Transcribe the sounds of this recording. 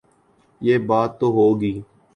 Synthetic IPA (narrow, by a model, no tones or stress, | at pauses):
jeːbaːt̪ːoːɦoːɡiː